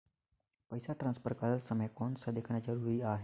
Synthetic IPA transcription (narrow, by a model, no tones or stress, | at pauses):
pəɪsaʈɾãːnspəɾkələlsəməjkoːnsãd̪eːkʰɽ̃ad͡ʒəɾuːɾiaːɦeː